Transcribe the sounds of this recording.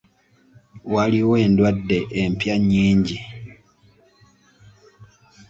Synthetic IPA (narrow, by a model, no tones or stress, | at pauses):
waliwoendwadːe̞ʔempjaɲːiːɲɟi